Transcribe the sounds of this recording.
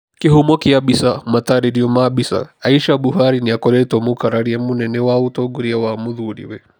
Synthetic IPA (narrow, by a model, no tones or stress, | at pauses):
kiɦumɔkiaɓisamat̪aɾiɾiɔmaɓisa̰aiʃaɓuɦaɾiniakɔɾɛtɔmukaɾaɾiɛmunɛnɛwautɔɡuɾiawamuðuɾḭwɛ